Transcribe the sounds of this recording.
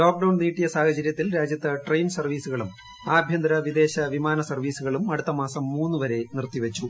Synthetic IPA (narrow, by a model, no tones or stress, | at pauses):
loːk̚ɖɐwɳɖniːʈːijɐsaːhɐt͡ɕɐɾjɐt̪ːilɾaːd͡ʑjɐt̪ːɐʈrejnsɐrʋiːsuɣɐɭum | aːbʱjɐnd̪ɾɐʋid̪e̞ːɕɐʋimaːnɐsɐrʋiːsuɣɐɭumɐɽut̪ːɐmaːsɐmːuːnːuʋɐɾe̞nirt̪iʋɐt͡ɕːu